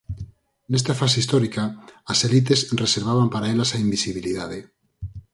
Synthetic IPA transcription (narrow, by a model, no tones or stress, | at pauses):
nest̪afaseist̪oɾikaːselit̪̬esreseɾβ̞aβ̞ampaɾaelasaimbisiβ̞iliðaðe